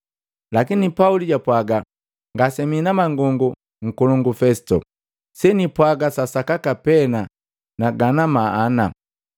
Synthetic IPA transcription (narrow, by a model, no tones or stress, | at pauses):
lakinipauliɟapwaɡa | ŋɡasɛminamaŋɡɔŋɡu | ŋ̩kulɔŋɡufɛsi̥tɔ | sɛnipwaɡasasakakapɛna | naɡanamaːna